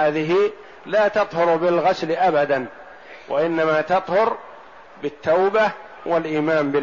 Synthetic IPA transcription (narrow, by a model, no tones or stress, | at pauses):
aːðɪɦɪ | laːt̪ɑt̪ˤhʊɾbɪlɣaslʔabad̪an | wʔa̰ʔɪnːamat̪ɑt̪ˤhʊɾ | bɪt̪ːawba | wʔalʔiːmaːmbɪ